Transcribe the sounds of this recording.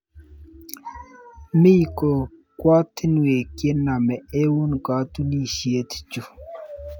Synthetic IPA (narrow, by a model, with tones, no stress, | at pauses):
mi˦jko˨ | kwa˦t̪ʰi˦nu˨we˨kje˦na˨mɛ˨e˦wu˦nka˨˦t̪u˦ni˦˨ʃi˨e˦t̪ʰt͡ʃu˨